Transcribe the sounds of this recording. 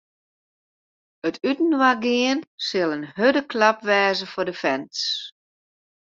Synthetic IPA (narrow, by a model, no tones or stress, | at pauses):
ətʰytn̩waɡɪənsɪlˠənhødəkʰlapʋɛːzəfʊdəfɛns